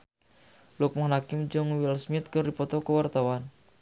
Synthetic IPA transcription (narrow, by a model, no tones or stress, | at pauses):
lɔk̚mɔhnakɪmd͡ʒɔŋwilsmɪt̪̚kɨrdipɔt̪ɔkəwart̪awan